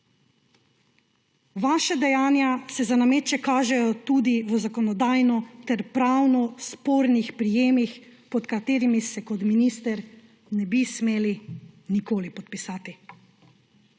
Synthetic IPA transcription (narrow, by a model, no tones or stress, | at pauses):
ʋaːʃad̪ɛjaːnjasɛzanameːt͡ʃɛkaːʒɛjɔt̪ud̪iʋəzakɔnɔd̪aːjnɔt̪ɛɾpɾawnɔspoːɾnixpɾijeːmixpɔt̪kat̪eːɾimisɛkɔt̪minist̪ɛɾ | nɛbismeːlinikoːlipɔt̪̚pisaːt̪i